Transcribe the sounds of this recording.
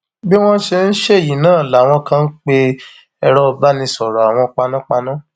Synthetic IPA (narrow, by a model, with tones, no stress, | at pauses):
bi˦w̃ɔ̃˦ʃe˧n̩˦ʃe˦˨ji˨nãː˦˨la˨w̃ɔ̃˧kã˦n̩˦k͡pe˧ | ɛ˧ɾɔ˧˦˧ba˨˦nĩ˧sɔ˨ɾɔ˨a˨w̃ɔ̃˧k͡pa˧nũ˦k͡pa˧nũ˦